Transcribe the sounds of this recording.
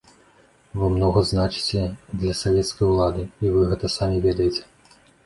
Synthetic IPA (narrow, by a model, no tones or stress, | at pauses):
vɨmnɔɣɐznat͡ʂɨ̥t͡sʲɛd̪lʲɐsavʲɛt̪skɐjulˠad̪ɨivɨɣɛt̪ɐsamʲivʲɛd̪ɐjet͡sʲɛ̥